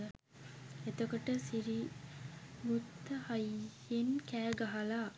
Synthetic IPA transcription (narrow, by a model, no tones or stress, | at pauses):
et̪okoʈəsiɾi | ɡut̪ːəhɐjː | enkæːɡɐɦɐlaː